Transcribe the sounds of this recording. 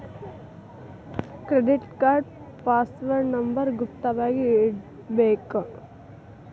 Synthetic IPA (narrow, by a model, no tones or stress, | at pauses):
kɾɛɖɪʈkaːɾɖ̚ | paːsʋɐɾnɐmbɐɾɡʊpt̪ɐʋaːɡi | beːkɐ